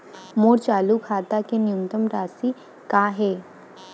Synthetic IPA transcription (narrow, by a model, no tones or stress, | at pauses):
moːɽt͡ɕalukʰat̪akenjunt̪əmɾasiː | kaɦe